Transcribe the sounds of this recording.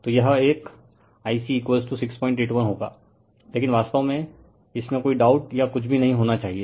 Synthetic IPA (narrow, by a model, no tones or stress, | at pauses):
t̪ojɐɦeːk | aːisiːkʋesʈusɪkspɔːɪ̃ɳʈeːʈʋənɦoːɡa̰ː | leːkɪnʋaːst̪aõmẽ | ɪsmẽkoːiɖaːʊʈjakʊt͡ʃʰbʱinɐɦĩɦoːnat͡ʃaːɦieː